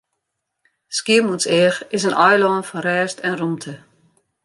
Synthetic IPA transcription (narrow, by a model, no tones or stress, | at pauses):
skiəmunsɛːxɪsənʔɔjlɔːnfɔnrɛːstɛnrumtʰə